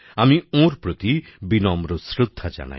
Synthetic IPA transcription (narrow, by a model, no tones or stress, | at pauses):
amiõɾpɾot̪ibinɔmɾosɾud̪ʱːad͡ʒa̰na̰j